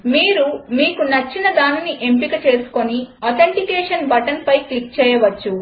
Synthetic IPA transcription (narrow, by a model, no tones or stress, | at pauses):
miːɾumiːkunɐt͡ʃːinɐd̪aːniniʔe̞mpikɐt͡ʃe̞ːsu̥ko̞niɔːt̪ʰeɳʈikɛːʂɐnbɐʈɐnpɐjkik̚t͡ʃɛːjɐʋɐt͡ʃːu